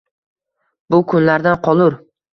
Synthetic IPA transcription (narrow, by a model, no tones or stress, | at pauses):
bʊkʰʊnlaɾd̪anqʰɒlˠʊɾ